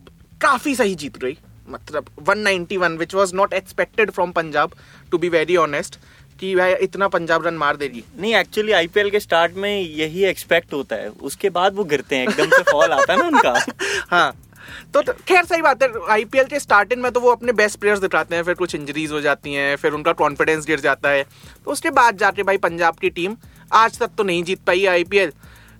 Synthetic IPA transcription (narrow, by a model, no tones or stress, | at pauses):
kaːfis̬ɐɦid͡ʒiːt̪ɾɐiː | mɐt̪ləbʋɐ̃nːãɪ̃ɳʈiʋɐ̃nʋɪt͡ʃʋɔːznɔːʈɛkspɛk̚ʈɪɖfɾɔːmpɐ̃ɲd͡ʒaːb | ʈubiːʋɛːɾiɔːnəsʈ | kiʋɛʔɪt̪napɐ̃ɲd͡ʒaːbɾɐnmaːɾd̪eːd͡ʒieːnɐɦĩɛːk̚t͡ʃuəliaːipiɛlkesʈaːɾʈmẽjɐɦiɛkspɛk̚ʈɦoːt̪aɦɛ̰ːʊ̰skebaːd̪ʋoɡɪɾt̪eɦɛ̃eːkɖəə̃msefɔːlaːt̪aɦɛnaʊnkahãː | t̪okʰɛːɾsaɦibaːt̪ɦɛ̃aːipiɛlkesʈaːɾʈɪ̃ŋmẽt̪̬oʋoɐpnẽbɛsʈpɾeːjəɾsd̪ɪʈʰaːt̪eɦɛ̃fɪɾkʊt͡ʃʰɪ̃ɲd͡ʒəɾiːzɦod͡ʒaːt̪iɦɛ̃ːfɪɾʊnkakɔːnfɪɖɛ̃ns̬ɡɪɾd͡ʒaːt̪aɦɛː | t̪oʊskebaːd̪̚d͡ʒaːt̪ẽbʱaːipɐ̃ɲd͡ʒaːb̚kiʈiːm | aːd͡ʒt̪ɐk̚t̪onɐɦĩd͡ʒiːt̪̚paːiɛaːipiːɛːl